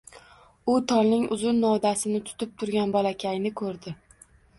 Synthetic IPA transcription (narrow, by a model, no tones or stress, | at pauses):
ʊt̪ʰɒlnɪŋʊzʊnːɒwd̪asɪnɪt̪ʰʊ̥t̪ɪp̚t̪ʰʊɾɡʲanbɒlakʲʰajnɪkʰɵɾd̪ɪ